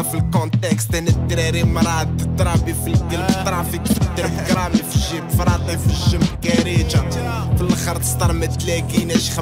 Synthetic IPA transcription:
filkɔnt̪ɛkst̪æhnæt̪ːɾiɾiməɾˤɑt̪ːət̪ːɾˤɑbifilkəlbət̪ɾˤɑfikt̪ːəɾbɡɾˤɑbifəʒibfɾˤɑt̪ˤifəʒːəmkːæɾid͡ʒa | filːxɑɾˤt̪ə̥st̪ɑɾˤmət̪t̪lækinæʃx

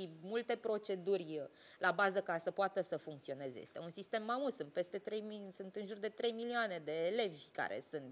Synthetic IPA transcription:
imult̪e̞pɾo̞t͡ʃe̞d̪urʲ | labazəkasəpoat̪əsəfuŋkt̪sio̞nezḛḛst̪ḛunsist̪e̞mːamusɨnt̪̚pe̞st̪e̞t̪ɾe̞jmisɨnt̪ɨnʒurd̪e̞t̪ɾe̞jmilioane̞d̪e̞ːle̞vʲka̰ɾḛsɨnt̪

